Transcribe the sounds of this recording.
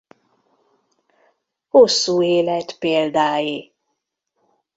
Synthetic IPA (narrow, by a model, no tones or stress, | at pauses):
hosːuːeːlɛt̪peːld̪aːji